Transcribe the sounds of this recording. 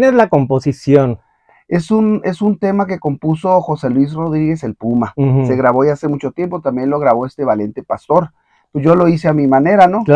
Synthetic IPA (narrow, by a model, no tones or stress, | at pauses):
nezlakomposisjon | e̞sune̞sunt̪e̞mak̬e̞ko̞mpuso̞xo̞se̞lwis̬ro̞ðɾiɣe̞se̞lpumase̞ɣɾaβo̞jaase̞mut͡ʃo̞t̪je̞mpo̞t̪ambje̞nlo̞ɣɾaβo̞e̞st̪eβale̞nt̪e̞past̪o̞ɾ | peʝo̞lo̞is̬e̞amimãne̞ɾano̞